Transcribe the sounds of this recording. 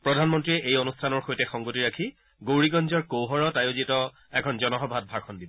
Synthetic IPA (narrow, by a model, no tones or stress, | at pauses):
pɹɔdʱanmɔntɹiɛʔejonustʰanɔɹxojtɛxɔŋɡotiɹakʰi | ɡowɹiɡɔnzɔɹkowɦɔɹɔtajozitɔ | ɛkʰɔnzɔnɔɦɔbʱat̚bʱaɹkʰɔndibɔ